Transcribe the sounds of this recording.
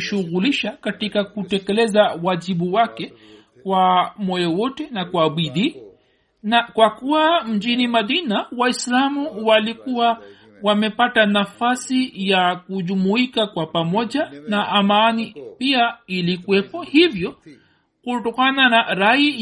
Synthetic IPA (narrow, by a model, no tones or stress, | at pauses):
ʃuɣuliʃakatikakutɛkɛlɛzawaʄiɓuwakɛ | kwamɔjɔwɔtɛnakwaɓiði | nakwakuwam̩ʄinimaðinawaislamuwalikuwa | wamɛpatanafasijakuʄumuikakwapamɔʄanaʔːmanipiailikuɛpɔhivjɔ | kutɔkananaɾai